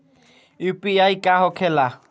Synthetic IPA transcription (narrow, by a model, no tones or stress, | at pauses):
ipʼiaikʼahɔkʰɛla